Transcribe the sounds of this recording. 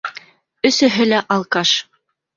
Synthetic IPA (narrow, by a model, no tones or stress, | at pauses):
ɵ̆sɘ̆ɦɘlæʔɑlˠkɑʃ